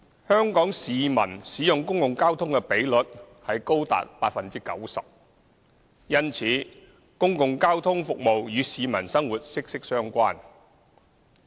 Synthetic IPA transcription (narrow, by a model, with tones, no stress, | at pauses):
hœː˥ŋkɔː˨˥ŋsiː˨mɐ̰˨˩nsiː˨˥jʊ˨ŋkʊ˥ŋkʊ˨ŋkaː˥wt̪ʰʊ˥ŋkɛ˧pe˨˥jlɵ˨t̚ | hɐ˨jko˥wt̪a̰ː˨t̚paː˧˥t̚fɐ˨nt͡siː˥kɐ̰˨˥wsɐ˨p̚ | jɐ˥nt͡sʰiː˨˥ | kʊ˥ŋkʊ˨ŋkaː˥wt̪ʰʊ˥ŋfʊ˨k̚mo˨wjyː˨˧siː˨˧mɐ̰˨˩nsɐ˥ŋwuː˨˩t̚sɪ˥k̚sɪ˥k̚sœː˥ŋkʷaː˥n